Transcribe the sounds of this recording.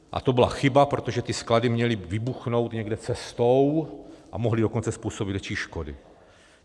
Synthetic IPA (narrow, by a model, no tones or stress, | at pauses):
ʔa̰t̪obila̰xɪbapɾot̪oʒɛt̪iskladimɲɛlɪvɪbuxno̞wt̪ɲɛɡdɛt͡sɛst̪owʔamoɦlidokont͡sɛspuːsobid̪vɛt͡ʃiːʃkodɪ̰